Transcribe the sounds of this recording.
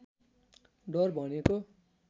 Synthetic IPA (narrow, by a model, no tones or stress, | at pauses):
ɖʌrbʱʌneko